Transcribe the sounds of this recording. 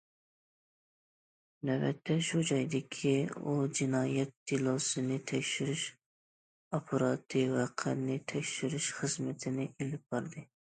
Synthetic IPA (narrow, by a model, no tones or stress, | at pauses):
nɛbɛ̰t̪ʰːɛʃud͡ʒɑjd̪ɪkʲʰiud͡ʒinɑːjɛt̪̚ːilˠosɨnɪt̪ʰɛkʲʃyɾɪʃ | opʰɨɾɑt̪ʰɨwɛqʰə̰ɾnɪt̪ʰɛkʲʃyɾɪʃχəzmɪt̪ʰɪnɪʔelɪp̚b̥ɑɾd̪ɨ